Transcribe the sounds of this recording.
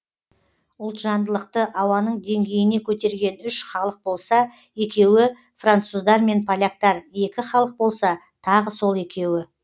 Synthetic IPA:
ʊlˠt̪ʒɑnd̪əlˠəqt̪əʔɑwɑnəɴd̪e̞ŋɡʲe̞jɪne̞kʲʰɵt̪e̞ɾɡʲe̞nʏʃχɑlˠəq̚bo̞lˠsɑ | e̞kʲe̞wɪ | frant̪suzd̪ɑɾme̞npʰolʲak̚t̪ɑɾje̞kʲɪχɑlˠəq̚bo̞lˠsɑ | t̪ʰɑʁəso̞lˠe̞kʲe̞wɪ

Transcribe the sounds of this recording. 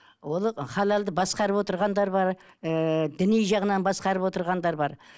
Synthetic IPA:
wo̞lˠχɑlˠɑlˠd̪əbɑsqɑɾəpwo̞t̪əɾʁɑnd̪ɑɾbɑɾ | d̪ɪnejʒɑʁənɑnbɑsqɑɾəpwo̞t̪əɾʁɑnd̪ɑɾbɑɾ

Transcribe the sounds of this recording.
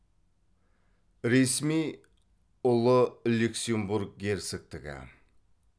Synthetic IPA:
ɾesmij | ʊlˠəlʲuksʲembuɾk̚ɡʲeɾt̪sɪk̚t̪ɪɡʲɪ̰

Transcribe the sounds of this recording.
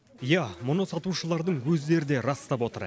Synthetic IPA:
jɑmʊnəsɑt̪uʃəlˠɑɾd̪əɴwɵzd̪e̞ɾɪd̪e̞ɾɑst̪ɑpwo̞t̪əɾ

